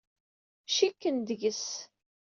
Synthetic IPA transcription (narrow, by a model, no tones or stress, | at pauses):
ʃikːənd̪əʝəs